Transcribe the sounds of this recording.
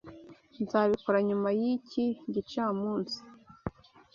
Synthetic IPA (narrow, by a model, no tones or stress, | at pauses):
nzaβikoɾaɲumajiciɟit͡ʃaːmuːnsi̥